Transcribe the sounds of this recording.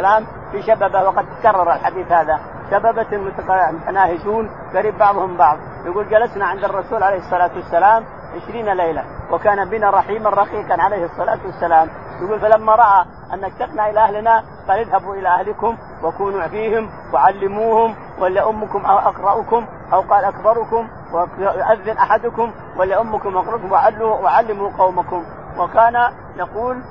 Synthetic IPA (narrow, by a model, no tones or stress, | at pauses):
laːm | fiʃababawɑqɑd̪t̪akɑrˤːɑɾˤalħad̪iːθhaːða | ʃababamʊt̪amʊt̪anaːhɪd͡ʒuːn | ɡaɾiːb̚ːɑʕðˤhʊmbɑʕðˤ | jaɡuːld͡ʒalasnaʕɪnd̪ɑrˤːɑsuːlʕalejhɨsˤːɑlaːt̪wasːalaːm | ʕɪʃɾiːnalejlawʔakaːnabɪnaɾˤɑħiːmanˤɑqiːqɑnʕalejhɨsˤːɑla̰ːt̪wasːalaːm | jaɡuːlfalamːaɾˤɑʔa | ʔanːakt̪ɑqnaʔɪlaʔahlɪna | qɑːlɪðhabuʔɪlaʔahlɪkʊm | wakuːnufiːhɪm | waʕalːɪmuːhʊm | wʔalːaʔʊmːʊkʊmʔaʔaqɾˤɑʔʊkʊm | ʔawqɑːlʔakbɑɾˤʊkʊm | wajʊʔaðːɪnʔaħad̪ʊkʊm | wɪlːaʔʊmːʊkʊmʔɑqɾˤɑkʊmwaʕalːuwaʕalːɪmuqɑwmakʊm | wakaːna | jɑquːl